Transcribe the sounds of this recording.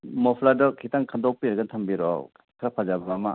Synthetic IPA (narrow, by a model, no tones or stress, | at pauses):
mɔpʰladɔkʰitaŋkʰandɔk̚piɾɡatʰɐmbiɾɔ̰ | kʰɾapʰazabɐmama̰